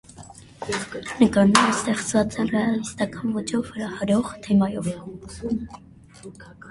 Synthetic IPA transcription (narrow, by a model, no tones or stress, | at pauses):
nəkɑɾnɛɾəst̪ɛχt͡svɑt͡sɛnrɛɑlist̪ɑkɑnvɔt͡ʃʰɔvːəɾɑhɑɾɔʁt̪ʰɛmɑjɔv